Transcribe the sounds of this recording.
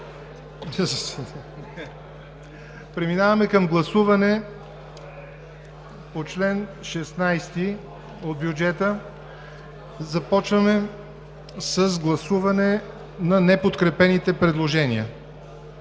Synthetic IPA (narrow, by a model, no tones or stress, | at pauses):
pɾɛminavɐmɛkɐmɡlˠɐsuvɐnɛ | pot͡ʃlɛnʃɛsnajst̪i | od̪̚bjud͡ʒɛt̪ə | zɐpɔt͡ʃvɐmɛ | səzɡlˠɐsuvɐnɛ | nɐnɛpot̪kɾɛpɛnit̪ɛpɾɛd̪lˠoʒɛniə